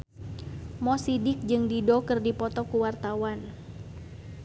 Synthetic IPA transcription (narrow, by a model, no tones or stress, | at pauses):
mɔsidɪk̚d͡ʒɨŋdidɔkɨrdipɔt̪ɔkuwart̪awan